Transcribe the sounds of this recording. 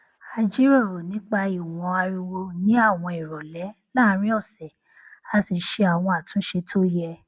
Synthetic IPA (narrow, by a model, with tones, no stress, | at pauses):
a˧d͡ʒi˦ɾɔ˦˨ɾo˨nĩ˨˦k͡pa˧i˨wɔ̃˨˧a˧ɾi˧wo˧nĩ˦a˦˨w̃ɔ̃˧i˨ɾɔ˨lɛ˨˦ | la˦˨˦ɾ̃ĩ˦ɔ˦˨sɛ˨ | a˨˧si˨˧˦ʃe˧a˨w̃ɔ̃˧a˨tũ˨˦ʃe˧tʰo˦jɛ˧